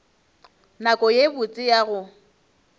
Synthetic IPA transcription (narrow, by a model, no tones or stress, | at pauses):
nakʼɔjebʊt͡sʼɪjaɣʊ